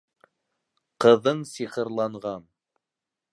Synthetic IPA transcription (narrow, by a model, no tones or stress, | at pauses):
qɤ̆ðɤɴsiχɤ̆ɾlˠɑɴʁɑn